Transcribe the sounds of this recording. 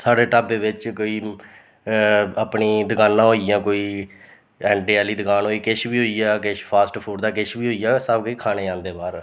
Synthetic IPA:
saːɖeːʈaːbeːʋɪt͡ʃkoːiː | aːpɳiːd̪əkaːnːãːɦoːijãːkoːiː | ɛːɳʈeːɛːliːd̪əkaːnɦoːiːkɪʃbiːɦoːiːaːkɪʃpʰaːsʈpʰuːɖd̪aːkɪʃbiːɦoːiːaːsəbkəiːkʰaːneːãːnd̪eːbaːɾ

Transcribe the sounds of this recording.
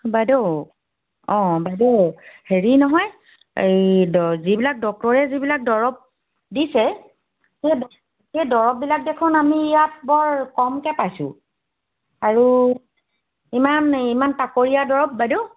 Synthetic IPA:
badeʊ | ɔ̃badeheɹinɔɦɔj | ejdzibilak̚dɔk̚tɔɹɛzibilak̚dɔɹɔp̚ | disɛ | ked | kejdɔɹɔp̚bilak̚dekʰʊnamijat̚bɔɹkɔmkɛpajsʊ̰̃ | aɹu | imanimantakoɹijadɔɹɔp̚badeʊ

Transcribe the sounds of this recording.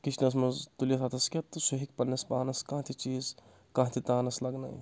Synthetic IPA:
kit͡ʃʰnɐs̬mɐzt̪ulijɐsʰɐt̪ʰɐskʲɐt̪ːɨsuɦikpɐnːɐspaːnɐskãːt̪ʰit͡ʃiːz | kɐ̃ːt̪ʰit̪aːnɐslɐɡna̰ːḭ

